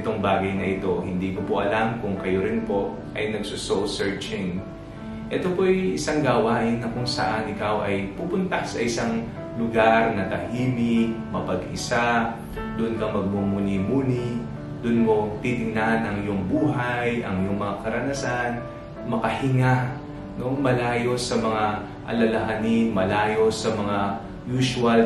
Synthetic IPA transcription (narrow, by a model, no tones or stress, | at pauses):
t̪oŋbaːɡɐjnɐʔɪt̪o̞hɪnd̪iːkopoʔɐlamkʊŋkɐjoɾɪnpo̞ | ʔɐjnɐɡsososɛɹt͡ʃɪŋ | ʔɛt̪opojʔɪsaŋɡaːwaːhɪnːɐkʊŋsɐ̰ʔanɪkawʔɐjpupʊnt̪ɐsɐʔɪsaŋ | lʊɡaɾnɐt̪ɐhiːlɪmɐpɐɡɪ̰sa | d̪ʊʔnkɐŋmɐɡ̚mumuːnimuːni | d̪ʊnmo̞t̪it̪ɪŋnahɐnɐŋjoŋbuːɦajʔɐ̰ŋɪjoŋmɐŋakɐɾɐnɐsan | mɐkɐhɪŋa | no̞mɐlaːjo̞sɐmɐŋa | ʔɐ̰lɐlɐɦɐnɪmɐlaːjo̞sɐmɐŋa | juːsʊɐl